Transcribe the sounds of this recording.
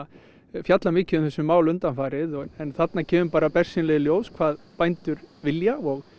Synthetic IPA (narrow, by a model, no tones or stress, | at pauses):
fjat̪lamɪːcɪʏmθɛsːʏmaːwlʏnt̪anfaːɾɪðɔɛnθat̪nacʰɛːvʏmpaːɾapɛr̥sinlɛɣɪljoːwskʰv̥aːðpajnt̪ʏɾvɪljaɔɣ